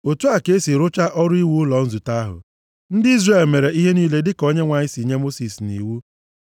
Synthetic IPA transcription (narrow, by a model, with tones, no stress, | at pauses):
o˨tu˦a˨ke˦si˨ɾʊ˦t͡ʃa˦ʔɔ˦ɾʊ˦i˦wu˦ʊ˦lɔ˨n̩˦zu˨ta˦ɦʊ̰˨ | n̩˦dɪ˦i˦zre˨lme˨ɾe˨i˦ɦe˦niː˦le˦dɪ˦ko˦ɲe˦ŋʷa˨ɲɪ˦si˨ɲe˦mo˦si˨snḭ˨wu˦